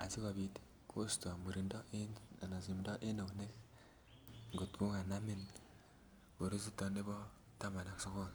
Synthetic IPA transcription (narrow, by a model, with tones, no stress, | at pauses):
a̰˨si˦ka˨bi˦t | kʰo˦sto˨mu˨ɾi˨ndɔ˦e˦na˨na˨si˨mdɔ˦ʔe˦no˨ne˦k | ŋɡo˨tku˦ŋa˨na˦mi˦n | ko˨ɾe˦si˦tɔ˦ne˦bɔ˦ | ta˦ma˨na˨kso˦ko˦˨n